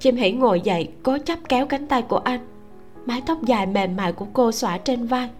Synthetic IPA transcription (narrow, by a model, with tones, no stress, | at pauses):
t͡ɕi˧mɦḭ˧˩ŋo˨˩jzə̰˧˨jkɔ˨˦t͡ɕə˦˥p̚kɛ˨˦wka˨˦ŋ̟t̪a˧jku˧˩əʔa˧jŋ̟ | maː˨˦jt̪ʰə˦˥wk͡p̚zaː˨˩jme˨˩mːa̰ː˧˨jku˧˩əko˧swaː˧˩t͡ɕe˧nvaː˧j